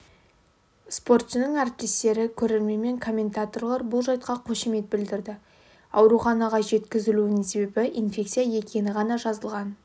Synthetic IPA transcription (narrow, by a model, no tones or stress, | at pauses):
spo̞rt̪sɪnɪŋaɾɪp̚t̪est̪e̞ɾɪkʲʰɵɾe̞ɾme̞me̞ŋkʰo̞mʲːe̞nt̪at̪o̞rlˠɑɾbʊlˠʒɑjt̪̚qɑqʰoʃime̞t̪̚bɪld̪ɪɾd̪ɪ | ɑwɾuχɑnɑʁɑʒe̞t̪kʲɪzɪluɪnɪŋse̞be̞bɪʔinfʲe̞kt̪sijaje̞kʲe̞nɪʁɑnɑʒɑzəlˠʁɑn